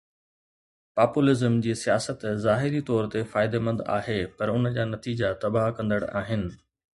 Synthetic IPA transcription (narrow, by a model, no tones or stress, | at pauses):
paːpulɪzəmd͡ʑiːsijaːsət̪zaːɦɪɾit̪ɔːɾt̪efaːɪd̪emɐ̃nd̪a̰ːɦepɐɾʊnəd͡ʑaːnɐt̪iːd͡ʑat̪ɐbaɦkɐ̃nd̪əɽa̰ːɦɪnɪ̆